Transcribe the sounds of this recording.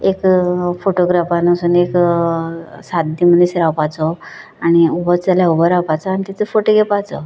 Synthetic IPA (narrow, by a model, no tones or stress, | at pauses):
ekfoʈoɡɾafanəsuːnek | sat̪̚d̪imənisɾapat͡sɔ | aɽ̃iubət͡saljaubəɾapat͡sɔañit̪at͡səfoʈoɡʱɛpat͡sɔ̰